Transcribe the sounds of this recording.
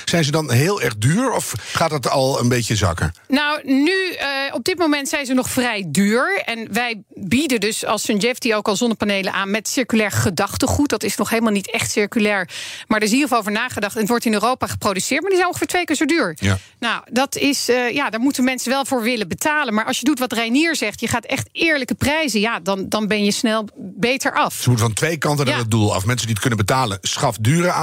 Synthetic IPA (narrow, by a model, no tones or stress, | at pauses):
z̥ɛjnzədɑnɦeːlˠɛɹχdyːɹɔfχaːt̚dɑtɑlˠənbejcəzɑ̰kə̰ɹnawnyɔb̚dɪtmowmɛntsɛjnzənɔχfrɛjdyːɹɛnʋɛjbidəndɵsɑ̰lˠsənɛfdiowkɑlˠzɔnəpanejlənʔaːnmɛtsɪɹkylɛːɹχədɑχtəχut̚dɑtɪsnɔχɦejləmalˠnitɛχtsɪɹkylɛːɹmaɹdəɪs̬iːəflˠowvəɹnaːχədɑχtɛnətʋɔɹtɪnøːrowpaːχə̥prowdysɪːɹt̚maːɹdizɛjnɔχfɔːɹtʋejkøntəɹdyːɹ | nawdɑtɪsjaːdaːɹmutənmɛnsənʋɛlˠvʊːɹʋɪləbətaːlənmaːɹʔɑlsʃjədutʋɑtrɛjniːɹzɛχtjəχaːtɛχtɪːɹləkəprɛjzəjaːdɑndɑnbɛnjəsnɛlˠbejtəɹʔɑfsəmutəvɑntʋejkɑntənaədulˠɑ̰fmɛnsəndiət̚kɵnənbətaːlənsχɑfdyːɾəaː